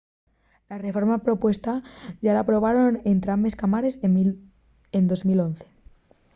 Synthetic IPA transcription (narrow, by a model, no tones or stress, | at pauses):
lare̞fo̞ɾmapɾo̞pwe̞st̪aʝalapɾo̞β̞aɾo̞nent̪ɾambe̞skamaɾe̞s | end̪o̞zmilo̞n̟θe̥